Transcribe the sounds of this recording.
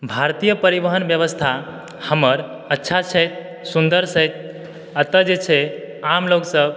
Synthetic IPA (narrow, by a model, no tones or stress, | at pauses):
bʱaɾt̪ijəpəɾibəɦənbjəβəst̪ʰa | həməɾ | ətːʃʰat͡ʃʰəjt̪̚ | sund̪əɾsət̪̚ʰ | at̪əd͡ʒet͡ʃʰɛ | amloksəb